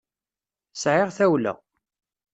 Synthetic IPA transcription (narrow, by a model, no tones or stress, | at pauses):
sʕɪʁθæwlə̰